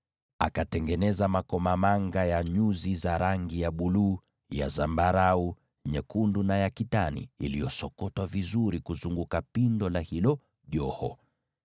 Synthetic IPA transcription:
akatɛŋɡɛnɛzamakɔmamaŋɡajaɲuzizaɾaŋɡijaɓuluː | ja̰zambaɾau | ɲɛkundunajakitanḭːlijɔsɔkɔtwavizuɾikuzuŋɡukapindɔlahilɔ | ʄɔhɔ̰

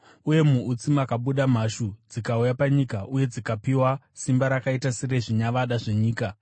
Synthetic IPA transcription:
uje̞muːt͡simakaɓuɗam̤aʃud͡zikaujapaɲikaʔuje̞d͡zikapiwa | simbaɾakaitasire̞ʐiɲaʋaɗaʐeɲiːka

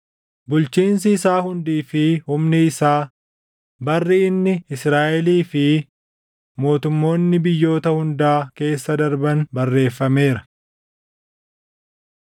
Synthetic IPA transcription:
bʊlt͡ʃiːns̬ɪːsaːɦʊnd̪iːfɪhʊmnɪɪsaː | bɐrːɪɪnːɪɪsɾaːʔɛliːfɪ | mo̞ːt̪ʊmːo̞ːnːɪbɪjːo̞ːt̪ɐhʊnd̪aːke̞ːsːɐd̪ɐɾbɐnbɐrːe̞ːfːɐme̞ːɾɐ

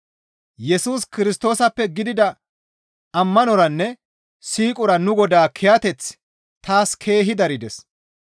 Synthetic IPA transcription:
jɛsuːskɪɾɪst̪o̞ːsɐpːɛɡɪd̪ɪd̪ɐ | ɐmːɐnɔɾɐnːɛ | siːkʼʊɾɐnʊɡɔd̪aːkʰɛjɐt̪ɛt͡s | t̪aːskʰe̞ːɦɪd̪ɐɾɪd̪ɛs

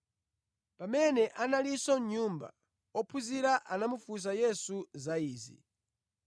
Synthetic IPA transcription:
pamɛnɛʔanalisɔɲumba̰ | ɔpʰuziɾaʔanamufus̬ajɛsuzaiːzḭ

